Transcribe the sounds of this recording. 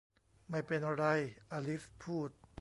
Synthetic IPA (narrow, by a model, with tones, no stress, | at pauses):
ma˥˩jpe˧nʔa˧ɾa˧jʔaː˧li˦˥spʰuː˥˩t̪̚